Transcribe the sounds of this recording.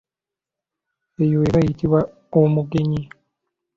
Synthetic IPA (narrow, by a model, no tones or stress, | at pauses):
ejoweβajitiβwa | omuɡe̞ɲi